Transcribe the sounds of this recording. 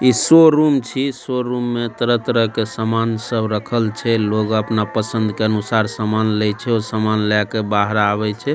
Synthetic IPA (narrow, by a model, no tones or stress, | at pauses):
isoɾumt͡ʃʰisoɾumːet̪əɾət̪ɾəkesəmansəbɾəkʰəlt͡ʃʰɛloɡəpnapəsənd̪ʱkeənusaɾsəmanlɛt͡ʃʰɛosəmanlɛkebaɦɾaβɛt͡ʃʰɛ